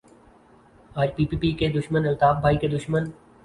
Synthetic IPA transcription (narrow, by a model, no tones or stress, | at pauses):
aːd͡ʒpiːpiːpiked̪ʊʃmənɪlt̪aːfbʱaːiked̪ʊʃmən